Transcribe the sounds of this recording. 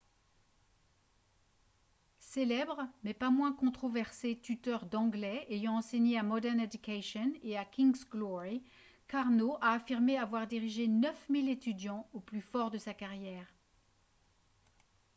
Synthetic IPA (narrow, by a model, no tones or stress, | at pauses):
selɛbʁəmɛpamwɛ̃kɔ̃t̪χɔvɛʁset̪yt̪œʁd̪ɑ̃ɡlɛejɑ̃ːseɲeamɔd̪ɛʁned̪ykʲaʃɔneakʲiŋɡzɡlɔʁi | kaʁnoʔaːfiʁmeavwaʁd̪iʁiʒenœfmilet̪yd̪jɑ̃oplyfɔʁd̪əsakaʁjɛːʁ